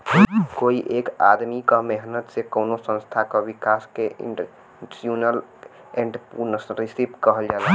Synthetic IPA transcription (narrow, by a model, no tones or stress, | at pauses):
koiʔeka̰d̪mikameɦnət̪sekəwnosə̃nst̪ʰakɔʋikaskḛ | ʈɾjunəl | eɳɖpuɾnəsɾisipkəɦəld͡ʒalə